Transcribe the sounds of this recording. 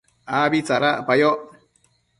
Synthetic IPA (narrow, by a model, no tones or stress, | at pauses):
aβit͡saɾaʔpajoʔ